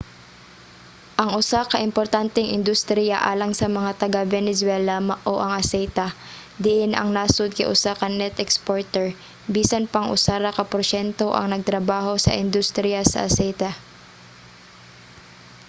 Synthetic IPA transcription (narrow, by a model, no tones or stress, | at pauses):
ʔɐŋʔʊsakɐʔɪmpoɾt̪ant̪ɛŋʔɪ̰nd̪ʊst̪ɾijaʔa̰ːlɐŋsɐmɐŋat̪ɐɡavɛnɛswɛlamaʔoʔɐŋʔɐsɛjt̪ɐ | d̪ɪʔɪnʔɐ̰ŋnaːsʊd̪̚kɐ̰jʔʊsakɐnːɛt̪ɛkspoɹt̪ɛɹ | biːsɐnpɐŋʔʊ̰saɾakɐpoɾʃɛnt̪o̞ʔɐ̰ŋnɐɡ̚t̪ɾɐbaːɦo̞sɐ̰ʔɪnd̪ʊst̪ɾɪjasɐ̰ʔɐsɛjt̪ɐ